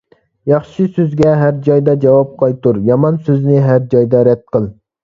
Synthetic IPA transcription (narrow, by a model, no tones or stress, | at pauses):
jɑχʃisøzɡʲɛɦæɾd͡ʒɑjd̪ɑd͡ʒɑwɑp̚qʰɑjt̪uɾjɑmɑnsøznɪɦæɾd͡ʒɑjd̪ɑɾɛd̪̚qəlˠ